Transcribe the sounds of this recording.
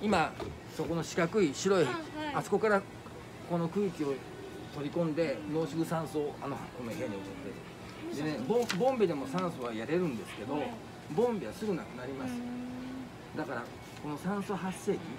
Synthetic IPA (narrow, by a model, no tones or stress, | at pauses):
ima | so̞ko̞no̞ɕi̥kakɯ̟iɕiɾo̞iasɨ̥ko̞kaɾa | ko̞no̞kɯ̟ːkʲio̞ | t̪o̞ɾʲikõ̞nd̪e̞no̞ːɕikɯ̟sãɰ̃soːano̞ha̰konoɦeɲʲiomot̪d̪e | d̪e̞nebõbõ̞mbʲid̪e̞mo̞sãɰ̃soβajaɾe̞ɾɯ̟̃nd̪e̞sɨ̥ke̞d̪o̞ | bõ̞mbʲiβasɨɡɯ̟nakɯ̟naɾʲimasɨ | d̪akaɾa | ko̞no̞sãɰ̃soɦasːe̞ːkʲi